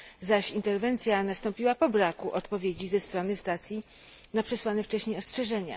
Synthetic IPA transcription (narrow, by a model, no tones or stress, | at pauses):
zaɕint̪ɛɾvɛnt̪sʲjanast̪ɔ̃mpʲiwapɔbɾakuʔɔt̪pɔvʲjed͡ʑizɛst̪ɾɔnɘst̪at̪sʲji | napʂɛswanɛft͡ʂɛɕɲejɔstʂɛʐɛɲa̰